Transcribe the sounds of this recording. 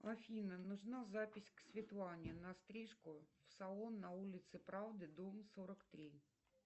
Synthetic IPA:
ɐfʲinənʊʐnazapʲɪsʲksʲvʲɪt̪lˠanʲɪnɐst̪ɾʲiʂkʊfsɐlˠonːɐulʲɪt̪sɨpɾavd̪ɨd̪omsoɾəkt̪ɾʲi

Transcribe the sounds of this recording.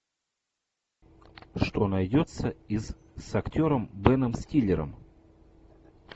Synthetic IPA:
ʂt̪o̞nɐjdʲo̞t̪səiz | sɐktʲo̞ɾəmbɛnəmsʲtʲilʲːɪɾə̰m

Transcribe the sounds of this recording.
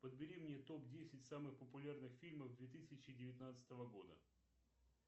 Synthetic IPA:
pəd̪bʲɪɾʲimnʲet̪o̞p̚dʲesʲɪtʲsamɨxpəpʊlʲarnɨxfʲilʲməvd̪vʲet̪ɨsʲɪt͡ɕɪdʲɪvʲɪt̪ʲnat̪sɨ̥t̪əvəɡo̞d̪ə̰

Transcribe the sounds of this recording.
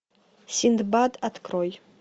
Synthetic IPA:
sind̪badat̪ʰkʰroj

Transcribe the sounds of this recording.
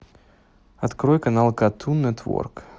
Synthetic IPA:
ɐt̪kɾɔjkanalˠkat̪ʰunːɛt̪vɔ̰rk

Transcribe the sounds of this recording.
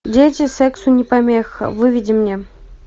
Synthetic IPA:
dʲetʲɪsʲɛksunʲɪpamʲexə̰vɨvʲidʲɪmnʲe

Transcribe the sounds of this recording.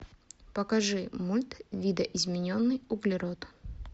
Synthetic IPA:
pəkɐʐɨmulʲt̪vʲid̪əʔɪzmʲɪnʲonːɨjʊɡlʲɪɾot̪

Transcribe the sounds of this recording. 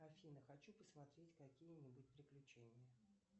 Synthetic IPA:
afʲinəxɐt͡ɕupəsmɐt̪ɾʲetʲkɐkʲijənʲɪbʊtʲpɾʲɪklʲʉt͡ɕenʲɪjə

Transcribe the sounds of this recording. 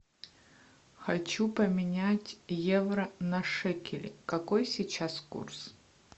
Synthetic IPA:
xɐt͡ɕupəmʲɪnʲatʲjɛvrɐnɐʂɛkʲɪlʲɪ̰kɐkojsʲit͡ɕaskṵrs

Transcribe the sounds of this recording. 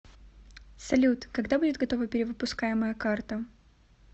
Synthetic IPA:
sɐlʲut̪kɐɡd̪abudʲɪt̪ɡɐt̪o̞vəpʲɪɾʲɪvɨpʊskajɪməjəkart̪ə

